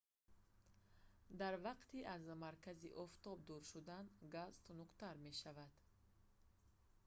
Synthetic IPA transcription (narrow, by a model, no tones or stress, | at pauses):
d̪aɾvaqt̪ʰiʔazmaɾkʰaziʔɔft̪ɔb̚d̪uɾʃud̪anɡazt̪ʰunuqt̪aɾme̞ʃavad̪̥